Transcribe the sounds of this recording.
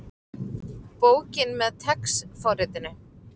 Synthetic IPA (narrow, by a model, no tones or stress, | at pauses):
poːwcɪnmɛðt̪ʰɛksfɔrɪt̪ɪnɪ